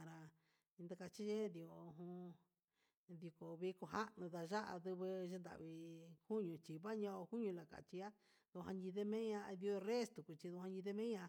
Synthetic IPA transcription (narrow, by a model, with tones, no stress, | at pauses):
a˨ɾã˧ | nd̪a˧ka˧t͡ʃi˦ʒe˦d̪i˧o˨˧˨ɦũ˧ | d̪i˧ko˨βi˧ko˧ɦa˦ʔnũ˧ða˧ʒa˦ʔa̰˧ðɨ˧βɨ˧ʒe˧nd̪a̰˨βi˧hu˦ɲũ˧˨t͡ʃi˨βa˦ɲã˧o˧hu˦ɲũ˧la˨ka̰˨t͡ʃi˧˦a˦ | ðo˧ɦã˧ɲĩ˧ðe˦mẽ˦ɲã˧ði˧o˧re˦st̪u˨ku˧t͡ʃi˧ðu˧hã˧ɲĩ˧ðe˦mẽ˦ã˧